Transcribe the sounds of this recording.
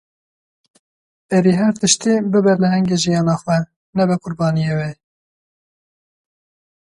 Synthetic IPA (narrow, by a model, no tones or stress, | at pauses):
ɛɾiɦɛɾt̪ɨʃt̪ibɨbɨɾlɨhɛŋɡeːʒijɑːnɑːxwɛ | nɛbɛqʊɾbɑːnijeːwe